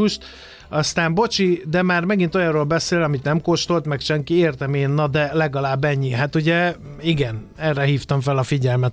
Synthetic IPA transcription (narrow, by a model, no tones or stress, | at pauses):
uʃt̪ | ɒst̪aːmbo̞t͡ʃid̪ɛmaːrmɛɡin̪t̪o̞jɒroːlbɛseːlɒmit̪nɛmkoʃt̪o̞lt̪mɛkʃɛŋkieːrt̪ɛmeːnːɒd̪ɛlɛɡɒlaːbːɛɲːiɦat̪uɟɛ | iɡɛnɛrːɛɦiːft̪ɒɱfɛlɒfiɟɛlmɛt̪